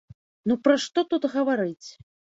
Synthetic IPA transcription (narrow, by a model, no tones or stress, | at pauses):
nupɾɐʂt̪ɔt̪ut̪ɣɐvaɾɨt͡sʲ